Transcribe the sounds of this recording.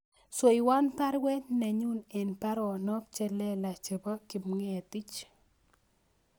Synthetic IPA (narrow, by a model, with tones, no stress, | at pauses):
sɔ˨i˨wa˦npa˦ɾwɛ˦tna˨ɲu˦nɛ˨npa˦ɾɔ˨nɔ˦p̚t͡ʃɛ˦lɛ˦la˨t͡ʃɛ˨bɔ˦kɪ˨mŋɛ˨ti˦t͡ʃ